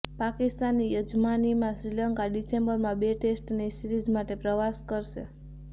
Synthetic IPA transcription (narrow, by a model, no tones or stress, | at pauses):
pakist̪anːijəd͡ʒmanimãsɾilaŋkaɖisembəɾmãbeʈesʈnisiɾid͡ʒmaʈepɾəʋaskəɾʃe